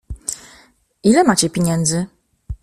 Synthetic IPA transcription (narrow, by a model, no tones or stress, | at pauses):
ilɛmat͡ɕɛpʲjeɲɛnd̪zɘ